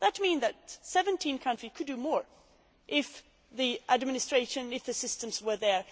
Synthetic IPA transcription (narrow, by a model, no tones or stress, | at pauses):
ðətmĩnðɨtsɛvə̃ntʰĩnkʰʌ̃ntɹ̥ikʰɨdɨmɔɹ | ʔɪf | ðiʔædmɪnɨstɹ̥eɪʃɨ̃nɪfðɨsɪstə̃mzwə˞ðə˞